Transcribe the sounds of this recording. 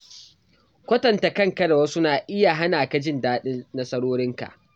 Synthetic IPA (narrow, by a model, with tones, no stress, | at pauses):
kʷɐ˦tɐ˨nta˨kɐ˦ŋkɐ˦ɽwa˦sʊ˦naː˨ʔɪ˦ja˨ɦa˦naː˨ka˦d͡ʒɪ˦ndaː˦ɗɪ˦nnɐ˦sɐ˦ɽoː˦ɾɪ˦ŋka̰˨ʔ